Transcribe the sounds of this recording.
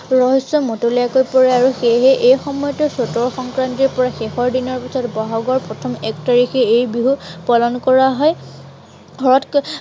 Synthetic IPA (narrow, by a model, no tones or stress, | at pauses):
ɹɔɦisːɔmotolijakojpɔɹaaɹuxejɦɛʔejxɔmɔjɔtɔsɔtɔɹxɔŋkɹantiɹpɔɹaxexɔɹdinɔɹpisɔtbɔɦɔɡɔɹpɹɔtʰɔmɛktaɹixɛejbiɦupɔlɔnkɔɹaɦɔj | ɡʱɔɹɔt